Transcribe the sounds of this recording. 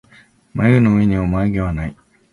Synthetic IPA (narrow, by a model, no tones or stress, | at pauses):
maɯnoɯeɲiomaːɡeβanai